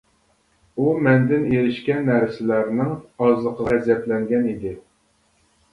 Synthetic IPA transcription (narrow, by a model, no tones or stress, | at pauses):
umɛnd̪ɪneɾɪʃkʲɛnːɛɾɪsɪlæɾnɪŋɑzlˠəqʰəɛzjɛt̪lɛŋɡʲɛnid̪ɪ